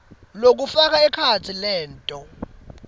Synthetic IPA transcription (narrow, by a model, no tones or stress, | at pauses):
lok̬ufak̬aɛkʰat͡sʰilɛːntʼɔ